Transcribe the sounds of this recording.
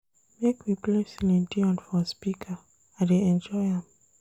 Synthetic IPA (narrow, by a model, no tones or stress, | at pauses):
mekwiplɛ̃silĩntiɔ̃nfɔspikʰə | adeɛ̃nd͡ʒɔɪãm